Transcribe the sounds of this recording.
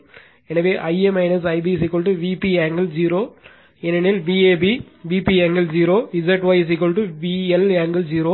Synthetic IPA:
ɛnɐʋeːʔɐɪemɐɪnɐs̬ɐɪbis̬ikːʋɔɭʈɯʋiːpiaːŋɡɐld͡ʒiːɾoː | ɛnɛnelʋiːeːbiʋiːpiaːŋɡɐld͡ʒiːɾoːɪzɐʈʋɐjs̬ikːʋɔɭʈɯʋiɛlaːŋɡɐld͡ʒiːɾoː

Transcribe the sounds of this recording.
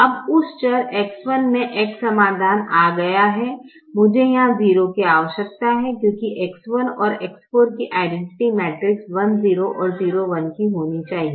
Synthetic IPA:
ɐbʊst͡ʃɐɾeːkswɐnmẽʔeːksɐmaːd̪ʱaːnaːɡɐjaɦɛ | mʊd͡ʒʱejɐɦãziːɾokeaːʋəʃək̚t̪aɦɛkjõːkiʔeːksʋɐnɔːɾeːkspoːɾkiʔaːɪɖɛ̃ɳʈɪʈimɛːʈɾɪksʋɐnziːɾoʔɔːɾziːɾoʋɐnkiɦoːnit͡ʃaːɦie

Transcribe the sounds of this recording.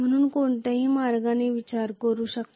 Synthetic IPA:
m̤əɽ̃uːnkoɳt̪aɦiːmaɾɡaneʋit͡ɕaɾkəɾuːɕək̚t̪

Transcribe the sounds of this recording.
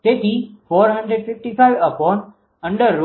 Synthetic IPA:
t̪eːt̪ʰifɔːɾɦə̃ɳɖɾeɖfɪfʈiːfaɪʋɐpɔ̃n | ɐ̃ɳɖəɾːo

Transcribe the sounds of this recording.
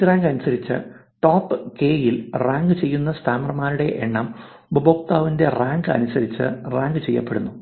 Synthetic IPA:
raːŋɡɐnusɐɾit͡ɕːɨ̰ | ʈo̞ːpːɨke̞ːjilraːŋɡɨt͡ɕe̞jːunːɐst̪ʰaːmrɐmaːɾuɽe̞ʔeɳːɐm | buboːk̚t̪aːʋinde̞raːŋɡɨɐ̰nusɐɾit͡ɕːɨ̰raːŋɡɨt͡ɕejːɐpːe̞ɽunːu

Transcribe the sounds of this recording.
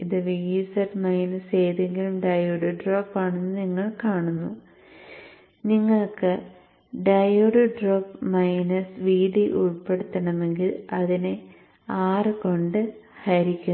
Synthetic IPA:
iðɨʋijsɐrʈmɐjnɐse̞ːðeŋɡilumɖɐjoːɽuɖroːpːaːɳunːɨniŋːɐɭkaːɳunːu | niŋːɐɭokːɨ | ɖɐjoɖuɖroːpmɐjnɐsʋiːɽiʔuɭpe̞ɽut̪ːɐɳɐme̞ŋɡiɭɐðine | aːrɨko̞ɳɖɨhɐɾikʲːu

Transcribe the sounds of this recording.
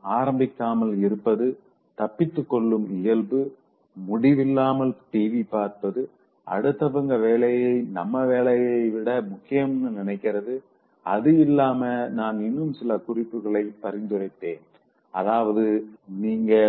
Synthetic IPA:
aːɾɐmbɪkːaːmɐlɪɾɯpːɐðɯ | t̪ɐpːɪt̪ːɯkːɔɭːɯmɪjɐlbɯ | mʊɽɪʋɪlːaːmɐlʈiːʋipaːɾpɐðɯ | ɐ̰ɽɯt̪ːɐʋɐŋɡɐʋeːɭɐjɐɪnɐmːɐʋeːɭɐjɐɪʋɪɽɐmʊkːɪjɐmnɯnɪnɐɪkːɪrɐðɯ | ɐðɯɪlːaːmɐnaːnɪnːɯmsɪlɐkʊrɪpːɯɣɐɭɐɪpːɐɾɪnd̪ɯɾɐɪt̪ːeːn | ɐðaːʋɐðɯniːŋɡɐ

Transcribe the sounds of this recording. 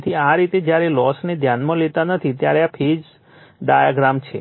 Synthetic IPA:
t̪ʰiaɾit̪ed͡ʒjaɾelɔsned̪ʱjanmãlet̪anət̪ʰit̪jaɾeapʰid͡ʒ | ɖajaɡɾamt͡ʃʰḛ

